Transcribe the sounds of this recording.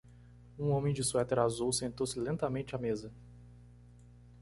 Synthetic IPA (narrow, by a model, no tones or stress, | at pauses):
ũõmẽj̃d͡ʒɪsuɛt̪ɛɾazuwsẽnt̪owsɪlẽnt̪ɐmẽnt͡ʃɪamezɐ